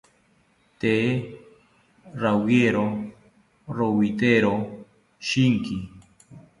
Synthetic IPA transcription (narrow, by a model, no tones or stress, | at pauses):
t̪e | ɾawjeɾo | ɾowit̪eɾo | ʃiŋki